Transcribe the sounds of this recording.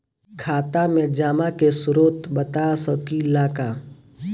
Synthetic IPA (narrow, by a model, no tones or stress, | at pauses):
kʰaːt̪amẽd͡ʒaːmakesʊɾoːt̪bət̪aːsɔkilaːkaː